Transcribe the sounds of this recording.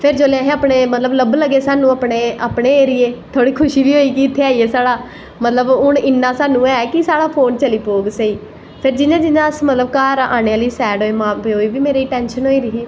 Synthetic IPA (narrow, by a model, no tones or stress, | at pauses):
pʰɪɾd͡ʒoːlejãːɦẽːəːpɳeːmət̪ləbləbləɡːeːsaːnũːəpɽeːəpɳeːeːɾɪeːt̪ʰoːɽiːkʰʊʃiːbiːɦoːiːkiɪt̪ʰːeːaːiːeːsaːɽaː | mət̪ləbʊɳɪnːãːsaːnũːɛːkɪsaːɽaːpʰoːnt͡ʃəliːpoːɡseiː | pʰɪɾd͡ʒɪnãːd͡ʒɪnãːəsmət̪ləb̚kaːɾa̰ːɽeːaliːsɛːɖoːeːmãːpeɦoːiːʋiːmeːɾiːʈɛːnʃənɦoːiːɾɪɦiː